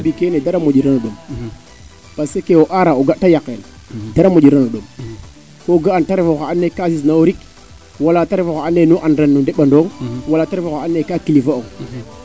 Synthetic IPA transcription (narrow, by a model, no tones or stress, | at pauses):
bikenedaɾamod͡ʒiɾanoɗom | pasekewoʔaɾaoɡatajakːen | daɾamod͡ʒiɾanoɗom | koɡaantaɾefoxaanːekasis̬naoɾik | walataɾifokaanːenuʔanɾanːudeɓandoŋwalataɾivoxaanːekakilifooŋ